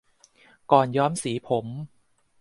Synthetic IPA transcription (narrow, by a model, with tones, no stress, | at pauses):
kɔː˨˩njɔː˦˥msiː˩˦pʰo˩˦m